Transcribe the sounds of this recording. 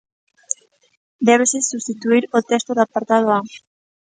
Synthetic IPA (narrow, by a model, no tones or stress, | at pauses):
d̪eβesesust̪it̪uiɾot̪est̪oɾapaɾt̪að̞oa